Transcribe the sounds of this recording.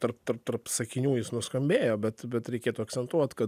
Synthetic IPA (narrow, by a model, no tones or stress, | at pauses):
t̪ɐrp̚t̪ɐrp̚t̪ɐrpsɐkʲɪnʲuːjɪsnʊskɐmʲbʲeːjoːbʲɛt̪bʲɛt̪ɾʲɛɪkʲeːt̪uɐkt̪sʲɛnt̪uɔt̪kɐ